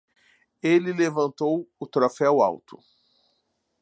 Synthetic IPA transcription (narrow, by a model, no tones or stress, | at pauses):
elɪlevɐ̃nt̪owʊt̪ɾofɛwa̰wt̪ʊ̥